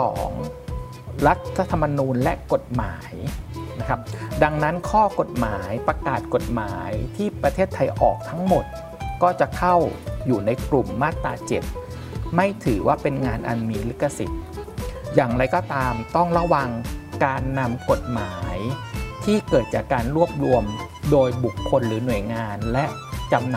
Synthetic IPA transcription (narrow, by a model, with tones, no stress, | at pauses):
sɔ̰ː˩˦ŋ | ɾa˦˥t̪ʰːa˧t̪ʰa˧mːa˧nuː˧nlɛ˦˥ʔko˨˩t̪̚maː˩˦jna˦˥kʰa˦˥p̚da˧ŋna˦˥nkʰɔː˥˩ko˨˩t̪̚maː˩˦jpɾa˧kaː˨˩t̪̚ko˨˩t̪̚maː˩˦˩jt̪ʰiː˥˩pɾa˧t̪ʰeː˥˩t̪ʰːa˧jʔɔː˨˩k̚t̪ʰa˦˥ŋmo˨˩t̪̚ | kɔː˥˩t͡ɕa˨˩ʔkʰa˥˩wjuː˨˩na˧jklu˨˩mːaː˥˩t̪ːɾaː˧t͡ɕe˨˩p̪̚ | ma˥˩jt̪ʰɯː˩˦waː˥˩pe˧nŋaː˧nʔa̰˧nmiː˧˥lɯ˦˥kːa˧sḭ˨˩t̪̚ | jaː˨˩ŋɾa˧jkɔː˥˩t̪aː˧mt̪ɔ˥˩ŋɾa˧wa˧ŋkaː˧nːa˧mko˨˩t̪̚maː˩˦jt̪ʰiː˥˩kɤː˨˩t̪̚t͡ɕaː˨˩kːaː˧nɾu˥˩əp̚ɾu˧əm | doː˧jbu˨˩kʰːo˧nɾɯː˩˦nu˨˩əjŋaː˧nlɛ˦˥ʔ | t͡ɕa˧mn˨